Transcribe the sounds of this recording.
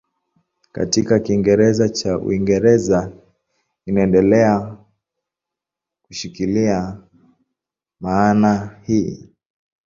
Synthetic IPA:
ka̰tikakiːŋɡɛɾɛzat͡ʃaṵiŋɡɛɾɛza | inaɛndɛlɛa | kuʃikilia | maːnahiː

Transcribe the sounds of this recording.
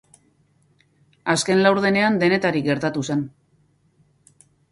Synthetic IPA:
aske̞nlawɾðe̞ne̞and̪e̞ne̞t̪aɾikɡe̞ɾt̪at̪use̞n

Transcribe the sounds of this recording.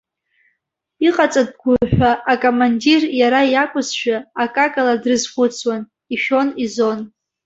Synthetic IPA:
iqʼat͡sʼad̚ɡʷʊħʷᶣaːkʼomandirjaɾajakʷʼʊzʃᶣaakʼakʼaladrɨzχʷʊt͡sʰwan | iʃᶣo̞nizo̞n

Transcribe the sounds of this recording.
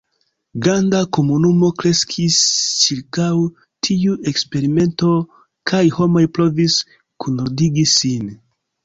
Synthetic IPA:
ɡɾandako̞munumo̞kɾe̞skʰist͡ʃiɾkaw | tʰiue̞kspe̞ɾime̞nto̞ | kʰajho̞mo̞jpɾo̞vis | kʰunodiɡisin

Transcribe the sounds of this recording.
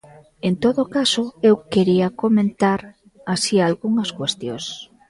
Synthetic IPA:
ent̪oðokasoewkeɾiakomẽnt̪aɾ | asialɣuŋɐskwest̪jos

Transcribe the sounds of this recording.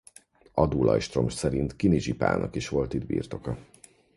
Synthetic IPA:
ɒd̪ulʔɒ̰jʃt̪ro̞mʃsɛɾint̪kiniʒipa̰ːnɒkiʃʋo̞lt̪id̪bḭːrt̪o̞kɒ

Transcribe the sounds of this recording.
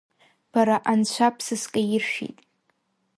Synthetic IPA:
b̥aɾaʔant͡ɕʷʰapʰsɨskʼajɪrʃᶣḭtʼ

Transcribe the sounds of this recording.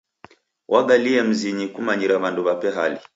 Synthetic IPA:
wʔaɡaliɛm̩ziɲikumaɲiɾaβanduβapɛɦali

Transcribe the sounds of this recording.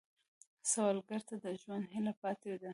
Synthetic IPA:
sawɑlɡaɾt̪ad̪əʒwand̪ɦɪlapɑt̪ed̪a

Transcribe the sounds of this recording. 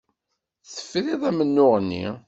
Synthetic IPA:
θə̥fɾiðˤæmənːʊʁənːḭ

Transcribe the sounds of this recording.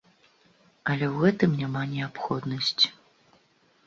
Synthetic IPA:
ɐlʲɛwɣɛt̪ɨmnʲamanʲɛapxɔd̪nɐsʲt͡sʲ

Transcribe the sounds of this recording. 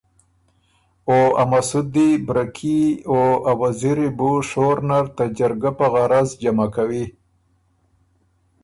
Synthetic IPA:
oamasud̪ibɾakʰioawaziɾibuʂoɾnaɾt̪ad͡ʒaɾɡapaɣaɾazd͡ʒamakawi

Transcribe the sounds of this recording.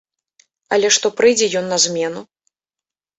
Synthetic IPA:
ɐ̰lʲɛʂt̪ɔpɾɨjd͡zʲɛjɔnːɐzʲmʲɛnu

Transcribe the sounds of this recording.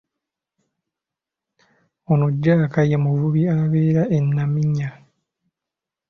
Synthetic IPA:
onuɟːaːkajemuvuβiaβeːɾaenːamiɲːa

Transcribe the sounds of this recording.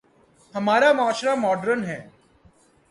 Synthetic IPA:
hɐmaːɾamʊaːʃɾamɔːɖəɾənɦɛː

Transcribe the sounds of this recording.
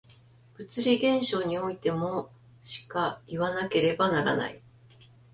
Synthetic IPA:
b̥ɯ̟t͡sɨɾʲiɡẽ̞ɰ̃ɕo̞ːɲ̟io̞it̪e̞mo̞ | ɕi̥kaiβanake̞ɾe̞banaɾa̰na̰i

